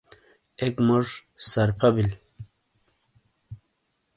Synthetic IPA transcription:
ekmoʐsɐɾpʰɐbil

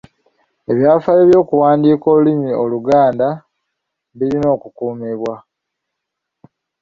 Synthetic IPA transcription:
e̞βjaːfajeβjo̞ːkuwaːndiːko̞ːlulimio̞luɡaːnda | βiɾino̞ːkukuːmiβwa

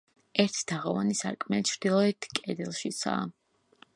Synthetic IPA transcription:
ɛɾt̪ʰd̪̥aʁɔva̰nisa̰kʼmɛt͡ʃʰɾd̪̥ilˠɔɛt̪ʰkʼɛd̪ɛlˠʃit̪sʰa̰

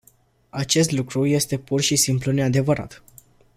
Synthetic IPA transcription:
at͡ʃe̞s̬t̪lukɾuje̞st̪e̞purʃisimplune̞ad̪e̞vəɾa̰t̪

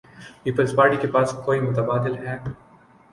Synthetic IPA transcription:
piːpəlspaːɾʈikepaːskoːimʊt̪ɐbaːd̪ɪlɦɛː

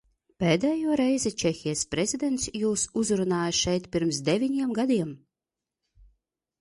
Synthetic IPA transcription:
peːd̪ɛːjuɔɾɛjzɛt͡ʃexʲijspɾezʲid̪ʲɛnt̪sjuːsuzɾunaːjɐʃɛjt̪pʲiɾmsd̪evʲinʲiɛmɡad̪iɛm

